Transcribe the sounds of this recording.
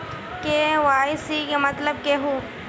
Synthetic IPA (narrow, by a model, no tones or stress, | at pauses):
keʋaːɪsikemɐt̪ləb̚keɦuː